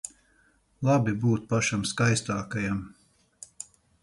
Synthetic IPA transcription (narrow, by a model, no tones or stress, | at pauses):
lˠabibuːt̪̚paʃamskajst̪aːkajam